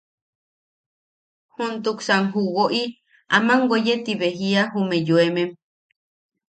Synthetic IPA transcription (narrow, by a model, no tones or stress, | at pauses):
hunt̪uksaŋɦuwoʔi | a̰mãŋɡʷejet̪iβeɦiaɦumẽjuemẽm